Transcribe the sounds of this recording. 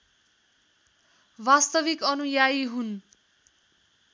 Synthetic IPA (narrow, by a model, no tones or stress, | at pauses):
bast̪ʌbikʌnujajɦun